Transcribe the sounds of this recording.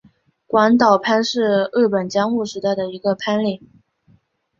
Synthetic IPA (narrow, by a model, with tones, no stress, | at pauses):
kwa˧˥nt̪̬ɑ˨˩ʊpʰa˥nʂɻ̩˥˧ɻɤ˥˩pə˨˩nt͡ɕjɑ˥ŋu˥˩ʂɻ̩˧˥t̪a˥˩ɪd̪ə˩i˧˥ɡə˧pʰa˥nli˥˩˦